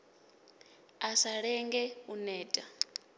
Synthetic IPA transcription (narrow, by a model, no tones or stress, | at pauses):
asaɺɛŋɡɛunɛːtʼa